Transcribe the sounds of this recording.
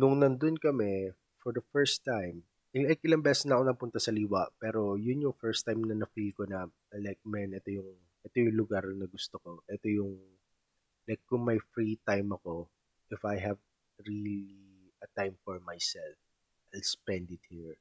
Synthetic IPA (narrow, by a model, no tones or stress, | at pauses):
nʊŋnɐnd̪onkɐmɛ | fɔɹd̪ɐfɛɹst̪ːajm | ʔɪajkʔɪlaŋbɛsɛsnɐʔɐko̞nɐpʊnt̪ɐsɐliːwɐʔpɛɾo̞jʊnjʊŋfɛɹst̪ajmnɐnɐfɾikonɐ | lɛjk̚mɛnʔɛt̪o̞jʊŋ | ʔɛt̪o̞jʊŋlʊɡaɾnɐɡʊst̪oko̞ʔɛt̪o̞jʊŋ | lajkːʊŋmɐjfɹit̪ajmɐko̞ | ʔɪfajɦɐv | ɹili | ɐt̪ajmfɔɹmajsɛlf | ʔajlspɛ̃nd̪ɪt̪̚hiɹ